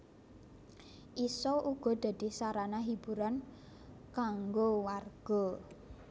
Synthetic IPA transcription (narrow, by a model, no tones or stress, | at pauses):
ʔisɔʔuɡ̥ɔ̤d̪̥a̤d̪̥i̤saɾanaɦib̥ṳɾan | kaŋɡowarɡ̥ɔ